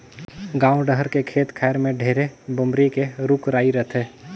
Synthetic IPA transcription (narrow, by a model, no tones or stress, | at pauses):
ɡãːũɖəɦəɾkekʰeːt̪kʰɛːɾmẽɖʱeːɾebʊmɾikeɾʊkɾaːiɾət̪ʰeː